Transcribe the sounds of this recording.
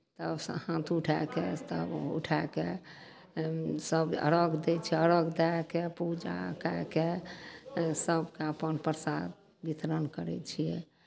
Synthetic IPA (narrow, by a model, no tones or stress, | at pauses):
t̪əbshãt̪ʰuʈʰɛket̪əbṵʈʰake | səbə̰ɾəɡd̪et͡ʃʰiɛəɾəɡd̪ɛkepud͡ʒa̰kake | səbkeəpənpəɾsad̪̚ | bit̪ɾənkəɾɛ̰t͡ʃʰijɛ